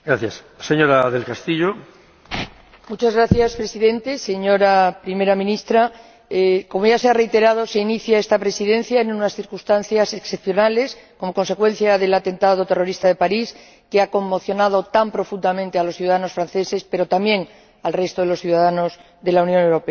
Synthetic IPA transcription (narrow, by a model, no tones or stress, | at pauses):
ɡɾaθjas | seɲoɾaðelkast̪iʎo | mut͡ʃazɣɾaθjaspɾe̞siðẽ̞nt̪e̞se̞ɲo̞ɾapɾime̞ɾamĩnist̪ɾa | ko̞mo̞ʝaseare̞it̪e̞ɾað̞o̞se̞iniθjaest̪apɾe̞siðẽ̞nθjaenunasθiɾkust̪an̟θjaseksepθjo̞nale̞skomo̞ko̞nse̞kwe̞n̟θjaðe̞lat̪e̞nt̪að̞o̞t̪e̞ro̞ɾist̪aðe̞paɾis | keako̞mːo̞θjo̞nað̞o̞t̪ampɾo̞fund̪amẽnt̪e̞alosθjuðaðano̞sfɾan̟θe̞se̞spe̞ɾo̞t̪ambjẽ̞ŋ | alre̞st̪o̞ðe̞lo̞sθjuðaðano̞z | ðe̞launjõ̞ne̞wɾo̞pea